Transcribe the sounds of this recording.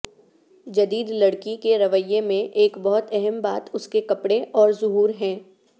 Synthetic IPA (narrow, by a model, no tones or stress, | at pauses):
d͡ʒɐd̪iːd̪lɐɽkikeɾɐʋəjemẽʔeːkbɔɦʊt̪ɛɦɛmbaːt̪ʊskekɐpɽeʔɔːɾzʊɦuːɾɦɛ̃ː